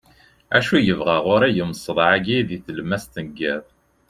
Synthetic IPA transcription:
æʃujəvʁæʁʊɾæjəmsˤəðˤʕaɡiðiθəlmæst̪ənəɡːæð

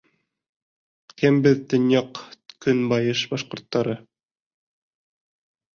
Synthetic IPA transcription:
kæmbɘðt̪ɵ̆njɑqkɵnbɑjɤʃbɑʃqŏɾt̪ːɑɾɤ

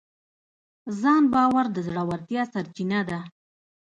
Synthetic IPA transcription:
zɑnbɑwaɾd̪əzɽawaɾt̪jɑsaɾt͡ʃinad̪a

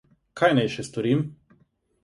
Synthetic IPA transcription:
kʰajnajʃɛst̪ɔɾiːm

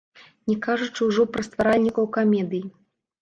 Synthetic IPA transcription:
nʲɛkaʐut͡ʂɨwʐɔpɾɐst̪vaɾalʲnʲikɐwkamʲɛd̪ɨji

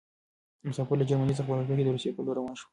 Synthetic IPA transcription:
mʊsɑpɪɾləd͡ʒaɾmanizəxpalapoked̪əɾusjepəloɾawɑnʃwə

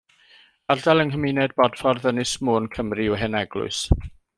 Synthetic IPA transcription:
ardalˠənkəmɪnɛd̚bɔd̥fɔrðənɨsmoːnkʰəmriɔɦɛnɛɡlˠʊ̰ɨs

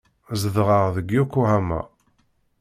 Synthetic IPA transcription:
zəðʁəʁðəɡjukːuhæmæ̰

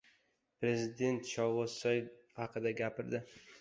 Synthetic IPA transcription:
pɾe̞zɪd̪e̞nt̪ʃɒwwosajhɑqʰɨd̪aɡʲapʰɪɾd̪ɪ

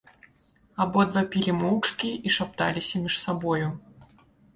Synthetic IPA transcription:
abɔd̪vapʲilʲimɔwt͡ʂkʲiʔiʂap̚t̪a̰lʲisʲɐmʲiʂsabɔju

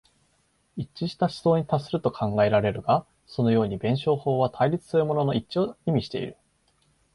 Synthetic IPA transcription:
it͡ɕːiɕi̥t̪aɕi̥zo̞ːɲ̟it̪asːɨɾɯ̟t̪o̞kʰãŋɡae̞ɾaɾe̞ɾɯ̟ɡa | so̞no̞jo̞ːɲ̟ibẽ̞ɰ̃ɕo̞ːho̞ːβat̪ʰaiɾʲit͡sɨ̥sɨɾɯ̟mo̞no̞no̞it͡ɕio̞imʲiɕi̥t̪eḭɾɯ̟

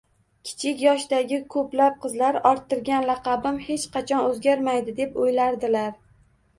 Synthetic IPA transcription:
kʲʰɪ̥t͡ʃʰɪkʲjɒʃd̪aɡʲɪkʰɵplap̚qɨzlaɾɒɾt̪ʰːɪɾɡʲanlɑqɑbɪmhe̞t͡ʃqʰɑt͡ʃʰɒnɵzɡʲaɾmajd̪ɪd̪e̞pojlaɾd̪ɪlaɾ

